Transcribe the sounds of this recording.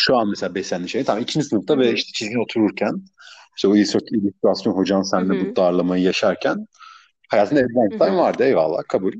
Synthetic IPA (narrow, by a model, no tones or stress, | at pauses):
ʃuanmeselʲaːbɛslʲænʲiʃej̪nt̪ʰabimicʰind͡ʒisɯnɯft̪ʰavɛiʃt̪ʰɛ̥t͡ʃʰizɡʲino̞t̪ʰuɾuɾcʰæn | ʃt̪ːoilʲsɾilʲyst̪ɾasjo̞nɦo̞d͡ʒanɯsænnɛbud̪ːaːɾlˠamajɯjaʃaɾcʰæn | hajaːt̪ʰɯnaɛvlʲænt̪ʰavaɾd̪ɯevva̰lˠːa̰ːkʰabulʲ